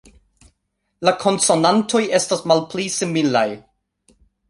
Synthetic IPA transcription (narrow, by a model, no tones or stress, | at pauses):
lakʰo̞nso̞nantʰo̞je̞stasmalplisimila̰j